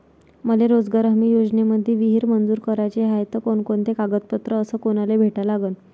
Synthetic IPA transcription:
məleɾod͡zɡaɾəɦmiːjod͡zneməd̪ʱːeʋiɦiɾmənd͡zuːɾkəɾajt͡ɕeɦajt̪əkoɳkoɳt̪ekaɡət̪̚pət̪ɾəːsəːkonalebʱeʈalaɡən

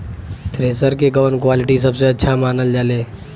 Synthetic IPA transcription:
t̪ɾeːsəɾkeɡəʋənkwaːlɪʈis̬ɐbseɐtːʃʰamaːnəld͡ʒaleː

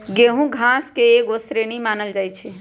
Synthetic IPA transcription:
ɡeɦũɡʱãskeeɡosɾeɽ̃imaːnəld͡ʒaːjt͡ʃʰe

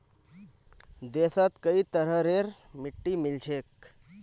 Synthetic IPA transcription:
d̪eːsat̪kəit̪əɾəɾeɾmɪʈːimɪlt͡ʃʰek̚

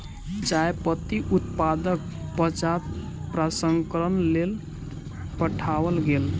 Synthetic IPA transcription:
t͡ʃajpət̪iʔut̪pad̪ək̚pət͡ʃa | pɾasəŋkəɾənlel | pəʈʰaʋəlɡel

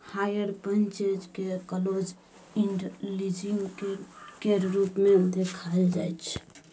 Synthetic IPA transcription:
hajəɾpənt͡ʃed͡ʒkekəlod͡ʒ | iɳɖlid͡ʒiŋɡkeɾɾupmed̪ekʰaeld͡ʒa̰jt͡ʃʰ

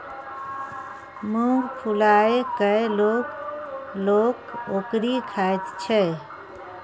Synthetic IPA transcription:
mũɡpʰulaekəelok | loːkokɾikʰaet̪t͡ʃʰɛ

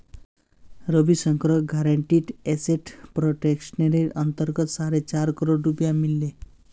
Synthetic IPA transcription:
ɾəbisəŋkɾɔɡʱaɾaɳʈiʈɛseʈpɾoʈeksneɾeʌnt̪əɾɡət̪saɾet͡ɕaɾkɔɾoɖɾupjamilːe

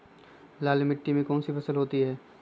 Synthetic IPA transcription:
laːlmɪʈːimẽkɔːnsifɐsəlɦoːt̪iɦɛː

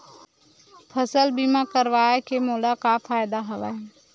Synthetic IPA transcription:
pʰəsəlbimakəɾʋaːekemoːlakafaːjd̪aɦɐʋa

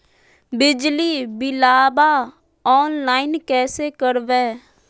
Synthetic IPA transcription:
bɪd͡ʒliːbɪlaːbaː | ɔːnlaːinkɛːseːkəɾʋɛ̃ː

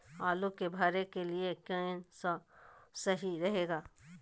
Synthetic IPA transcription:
aːlukebʱaːɾekeliekə̃ẽsəsɐɦiɾɐɦeːɡaː

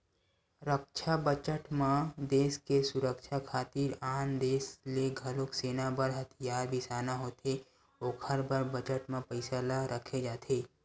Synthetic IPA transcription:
ɾəkt͡ʃʰabət͡ʃəʈmãd̪eːskesʊɾəkʃʰakʰaːt̪iɾaːnd̪eːsleɡʱəlʊkseːnabəɾɦɐt̪ʰɪjaːɾbʱisaːnaɦoːt̪e | oːkʰəɾbʱəɾbət͡ʃəʈmẽpəɪsalaɾʔəkʰed͡ʒaːt̪ʰeː

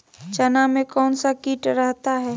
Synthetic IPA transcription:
t͡ʃɐnamẽkɔːnsakiːʈɾɛɦt̪aɦɛː

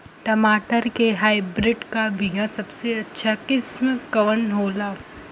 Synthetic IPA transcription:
ʈɐmaːʈəɾkeɦaːibɾɪɖkabʱijasɐbseɐtːʃʰakɪsmkɐʋənɦoːlaː

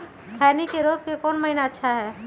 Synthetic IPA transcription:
k̪ʰɛːnikeɾoːp̚kekɔːnmɐɦɪnaətːʃʰaɦɛː

